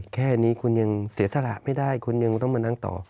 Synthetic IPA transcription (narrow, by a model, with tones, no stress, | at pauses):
kʰɛː˥˩˧niː˦˥kʰu˧nja˧ŋsi˨˩˦sa˧ɾa̰˨˩ʔma˥˩jda˥˩jkʰu˧nja˧ŋt̪ɔ˥˩ŋmaː˧na˧˥˩ŋt̪ɔ̰ː˨˩